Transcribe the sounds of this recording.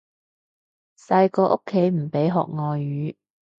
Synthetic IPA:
sɐ˧jkɔː˧ʔo˥kʰːe˨˥jm̩˨˩pe˨˥jɦɔ̰ː˨k̚ŋɔː˨˧jyː˨˧˦

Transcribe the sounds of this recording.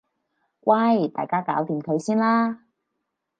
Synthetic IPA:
wʔa˥˩jt̪a̰ː˨˩jkaː˥kaː˨˥wt̪iː˨˩mkʰɵ˨˧ɥsiː˥nlaː˥

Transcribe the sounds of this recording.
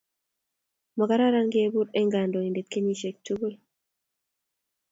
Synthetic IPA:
mɔ˨ka˦ɾa˦ɾa˦ŋɡe˦e˦bu˦ɾe˦ŋɡa˨ndo˨i˨nde˨tke˦ɲi˦ʃe˨k̚tu˦ɡu˦l

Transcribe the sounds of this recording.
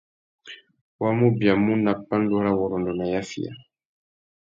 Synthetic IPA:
wa˦mu˦bja˨mu˦na˨pːa˦ndɔ˦ɾa˦wɔ˨ɾɔ˨ndɔ˨na˨ja˦fḭ˦ja̰˨

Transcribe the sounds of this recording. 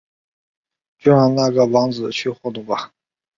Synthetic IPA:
t͡ɕo˥˩ʂa˧˥na˥˩ɡə˩wɑ˧˥ŋd͡zɹ̩˨˩t͡ɕʰy˥˧xwɔ˥˧t̪u˥˩ba˨

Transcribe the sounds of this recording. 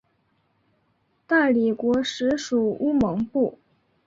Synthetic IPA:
t̪a˥˩li˨˩kwɔ˧˥ʂɻ̩˧˥ʂu˨˩u˥mɤ˧˥ŋpu˥˩

